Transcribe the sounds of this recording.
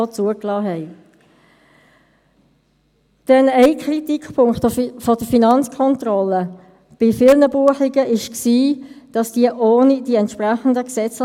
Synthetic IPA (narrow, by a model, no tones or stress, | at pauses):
t͡suəklɑːɦɛɪ | d̥ɛnɛɪkʰɾitikpʰʊŋkχtfɔd̥əfinɑnt͡skʰɔntɾɔlːə | b̥ɪfɪlnəbuəχɪɡəʔɪʃksiːd̥ɑsd̥iəʔoːnid̥iɛntʃpʁæχən̩dəksɛt͡s